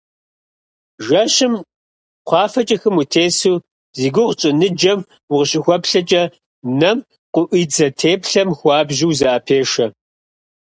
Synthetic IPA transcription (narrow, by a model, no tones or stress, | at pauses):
ʒɐɕɪm | qʷɑːfɐt͡ʃʼɐxɨmutʰeːsuː | ziːɡʷʊʁt͡ʃʼɪnɨd͡ʒɐm | wʊʁəɕʼɪxʷɔpɬɐt͡ʃʼɐ | nɐm | qʷʊʔʷiːd͡zɐtʰeːpɬɐmxʷɑːbʒiwzɐʔɐpʰeːʂɐ